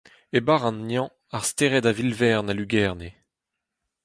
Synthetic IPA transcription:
ebaʁɑ̃nːjɑ̃ | aʁst̪eʁɛtavilvɛʁnalyɡɛʁne

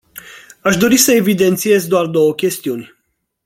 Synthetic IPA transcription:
aʃd̪o̞ɾisəe̞vid̪e̞nt̪sije̞zd̪oard̪o̞wəkʲe̞st̪iunʲ

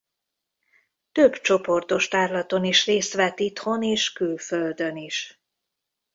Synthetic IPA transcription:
t̪øbt͡ʃo̞po̞rt̪o̞ʃt̪aːrlɒt̪o̞niʃreːst̪ʋɛt̪it̪ho̞neːʃkylføld̪øniʃ

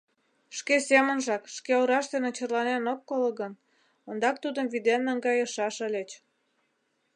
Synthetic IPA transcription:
ʃkesemənʒɑkʃkeoɾɑʃt̪enet͡ɕərlɑnenokːolə̆ɣən | ənd̪ɑk̚t̪ud̪əmvid̪enːəŋɡɑjəʃɑʃə̆lʲet͡ɕ

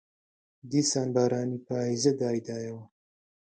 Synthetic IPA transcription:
d̪isaːnbaːɾaːnipaːizɐd̪aːjd̪aːjɐwa

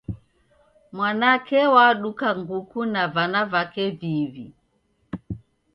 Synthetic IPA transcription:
mwanakɛwaɗukaŋɡukunavanavakɛvivi

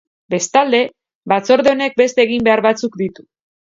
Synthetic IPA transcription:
be̞st̪ald̪e̞ | βat͡so̞ɾðeo̞ne̞k̚be̞st̪e̞ːɣ̞imbe̞aɾβat͡sukd̪it̪u̥

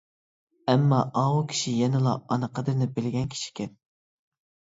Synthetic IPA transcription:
ɛmːɑʔɑwukʲʰi̥ʃijɛnɪlˠɑ̰ɑnəqʰəd̪ɨɾnɪbɪlɪɡʲɛnkʲʰi̥ʃi̥kʲʰɛn

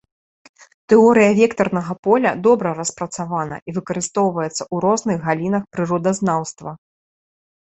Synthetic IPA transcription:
t̪ɛɔɾɨjɐvʲɛkt̪ɐrnɐɣɐpɔlʲɐ̰d̪ɔbɾɐrɐspɾɐt̪savanɐ̰ʔivɨkɐɾɨst̪ɔwvɐjɛt̪sːɐʔuɾɔznɨɣɣalʲinɐxpɾɨɾɔd̪ɐznawst̪vɐ

